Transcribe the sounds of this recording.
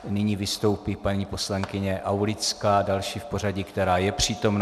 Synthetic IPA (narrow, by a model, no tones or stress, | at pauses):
nɪɲiːvɪst̪o̞wpiːpaɲiːpo̞slaŋkɪɲɛʔawlɪt͡skaːdalʃiːfpo̞raɟɪkt̪ɛɾaːjɛpr̝̥iːt̪o̞mn